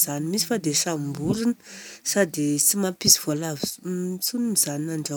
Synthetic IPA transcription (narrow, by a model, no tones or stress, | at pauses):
zanimisi̥fad̪esambuɾinə̥sad̪et͡simapisi̥v̥oalavi̥t͡sunimizaninaɳɖ͡ʐa